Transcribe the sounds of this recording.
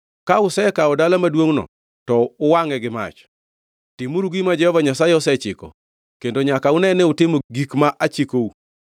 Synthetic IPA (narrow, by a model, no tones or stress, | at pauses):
kaʊsɛkaɔdalamadwoŋnɔ̰ | tɔʊwaŋɛɡɪma̰t͡ʃ | tɪmuɾuɡimad͡ʒɛhɔvaɲasajɛɔsɛt͡ʃɪkɔ̰ | kendoɲakaʊnɛnɛʊtɪmoɡikmaʔat͡ʃikou